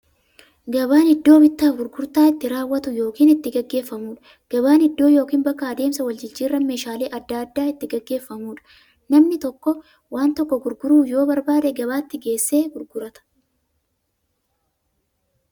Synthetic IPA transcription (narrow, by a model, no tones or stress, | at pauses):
ɡɐbaːnɪd̪ːo̞ːbɪt̪ːaːfɡʊɾɡʊɾt̪aːɪt̪ːɪɾaːwːɐt̪ʊjo̞ːkiːnɪt̪ːɪɡɐɡːe̞ːfːɐmuːᶑɐ̥ | ɡ̥ɐbaːnɪd̪ːo̞ːjo̞ːkiːnbɐkːaːd̪e̞ːmsɐwɐld͡ʒɪld͡ʒiːrːɐme̞ːʃaːle̞ːʔɐd̪ːaɐd̪ːaːɪt̪ːɪɡɐɡːe̞ːfːɐmuːᶑɐ̥ | nɐmnɪt̪ɔkːɔ | waːnt̪ɔkːɔɡʊɾɡʊɾmʊjo̞ːbɐɾbaːd̪ɛɡɐβaːt̪ːɪɡe̞ːsːe̞ːɡʊɾɡʊɾɐt̪ɐ̥